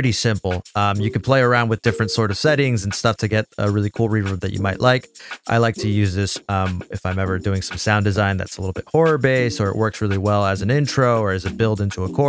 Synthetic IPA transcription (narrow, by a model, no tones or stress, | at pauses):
ɹɪɾisɪ̃mpl̩ˠʌ̃mjɨkɨ̃npʰl̥eɪə˞ãʊ̃nd̚wɨðdɪfɹɨ̃ntsɔɹɾʌv̥sɛɾɪ̃ŋz̃n̩stʌftʰɨɡɛɾə̰ɹɪlˠikʰulˠɹivə˞v̚ðɨt͡ʃɨ̰maɪʔlʔaɪkʔa̰ɪlaɪk̚tʰɨjʉzðɪsʌ̃mɨfãɪ̃mɛvə˞dʉɪ̃ŋsʌ̃msãʊ̃ndɨzãɪ̃nðæ̰tsəlɪɾl̩ˠbɪt̚hɔɹə˞beɪsə˞ɨ̰ʔwɜ˞ksɹɪlˠiwɛlˠəzn̩ɪ̃ntʰɹ̥oʊə˞ɨzɨb̥ɪlˠdɪ̃ntʰuəkʰɔ